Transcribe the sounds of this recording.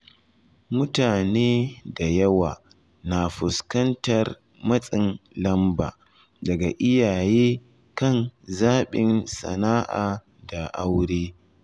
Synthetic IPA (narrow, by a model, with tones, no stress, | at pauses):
mʊ˦taː˨neː˦da˨jɐ˦waː˨ | na˨ɸʊ˨skɐ˦ntɐ˨r | mɐ˦sʼɪ˨nlɐ˦mba̰ː˨ | dɐ˨ɡa˨ʔɪ˦jaː˨jeː˦ | kɐ˦˨nzaː˦ɓɪ˨nsɐ̰˨naː˦ʔaː˨ | da˨ʔa˦wɽeː˦